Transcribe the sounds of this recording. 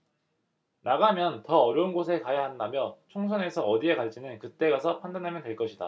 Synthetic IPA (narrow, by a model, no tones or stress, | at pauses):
naɡamjʌntʌʌɾjʌunɡos̬ʰe̞kajaɦandamjʌt͡ɕʰoŋsʰʌne̞sʰʌʌdie̞kaɭt͡ɕ͈inɯnkɯt͈e̞ɡasʰʌpʰandanɦamjʌntwe̞ɭk͈ʌɕʰida̰